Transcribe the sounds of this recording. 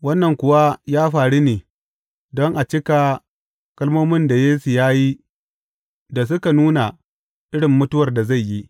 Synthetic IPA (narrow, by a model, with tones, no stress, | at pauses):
wɐ˦nːɐ˨ŋkʷʊ˨˦wa˦jaː˦ɸaː˨ɽi˦neː˨ | dɔ˦ŋʔa˨t͡ʃɪ˦ka˨ | kɐ˦lmoː˦mɪ˦nda˨jeː˦su˨jaː˦ji˦ | da˨s̬ʊ˦ka˨nuː˦na˨ | ʔɪ˦ɽɪ˨mːʊ˦tʊ˦wɐ˨rda˨za˦˨jːi˦ʔ